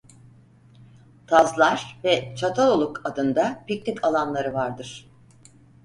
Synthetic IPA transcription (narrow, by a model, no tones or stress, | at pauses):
t̪ʰazlˠaɾ̥vɛt͡ʃʰat̪ʰalolˠukʰad̪ɯnd̪apic̚nikʰalˠanlˠaɾɯvaɾd̪ɯɾ̥